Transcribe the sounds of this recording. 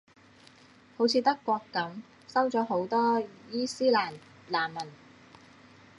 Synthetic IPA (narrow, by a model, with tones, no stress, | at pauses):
ho˨˥wt͡sʰiː˨˧t̪ɐ˥kːʷɔː˧kːɐ˨˥m | sɐ˥wt͡sɔː˨˥ɦo˨˥wt̪ɔː˥jiː˥siː˥laː˨˩n | laː˨˩nmɐ˨˩n